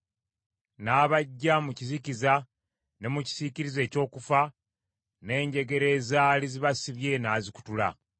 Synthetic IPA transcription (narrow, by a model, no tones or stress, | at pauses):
naːβaɟːamuciziciza | ne̞muci̥z̥iciɾize̞ːco̞ːkufa | ne̞ːɲɟe̞ɡe̞ɾe̞ːzaːliziβasiβje̞naːziku̥tula̰